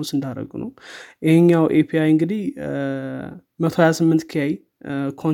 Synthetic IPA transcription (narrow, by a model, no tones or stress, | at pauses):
osɨnd̪aɾə̰ɡṵnə̰wjɛhɲːawʔepʰiajɨŋɡɨd̪ih | mət̪ʰoajasɨmːɨnt̪kʰijaj | kʰo